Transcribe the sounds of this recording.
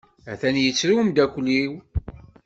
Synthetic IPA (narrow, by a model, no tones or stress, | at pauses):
æθænjət͡sːɾiwmd̪ækʷːlːiw